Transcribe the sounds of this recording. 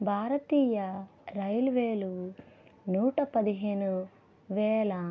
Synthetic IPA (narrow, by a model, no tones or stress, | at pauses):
bʱaːɾɐt̪iːjɐɾɐjlʋeːlu | nuːʈɐpɐd̪iɦeːnu | ʋɛːlɐ